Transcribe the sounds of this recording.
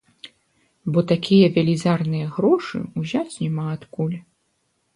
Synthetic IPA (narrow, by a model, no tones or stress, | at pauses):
bɔt̪akʲʰijɐvʲɛlʲizarnɨjɐɣɾɔʂɨ̰uzʲat͡sʲnʲɛmaːt̪kulʲ